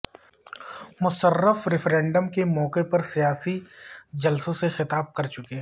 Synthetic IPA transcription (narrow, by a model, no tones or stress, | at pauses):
mʊsərːəfɾɪfɾɛ̃ːɳɖəmkemɔːkepɐɾsijaːsid͡ʒɐlsõsexɪt̪aːb̚kɐɾt͡ʃʊkeː